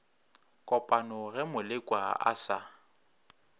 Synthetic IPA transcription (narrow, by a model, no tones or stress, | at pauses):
kʼɔpʼanɔɣɛmʊlɪkʼwaa̰sa